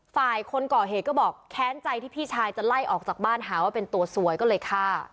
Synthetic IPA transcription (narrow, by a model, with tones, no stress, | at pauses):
faː˨˩jkʰo˧nkɔː˨˩ɦeː˨˩kɔː˥˩bɔː˨˩k̚kʰɛː˦˥nt͡ɕa˧jt̪ʰiː˥˩pʰiː˥˩t͡ɕʰaː˧jt͡ɕa˨˩la˥˩jʔɔː˨˩k̚t͡ɕaː˨˩baː˥˩nɦaː˩˦waː˥˩pe˧nt̪u˧ɐsu˩˦əjkɔː˥˩lɤː˧jkʰaː˥˩